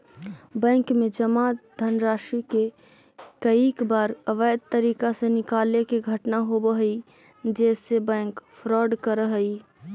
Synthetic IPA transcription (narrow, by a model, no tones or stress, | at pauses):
bɛ̃ŋkmed͡ʒəmad̪ʱənɾaʃike | kəikbaɾəʋəd̪̚t̪əɾikasẽnɪkalekeɡʱəʈnaɦobəɦəi | d͡ʒɛsebɛ̃ŋkpʰɾɔɖkəɾəɦəj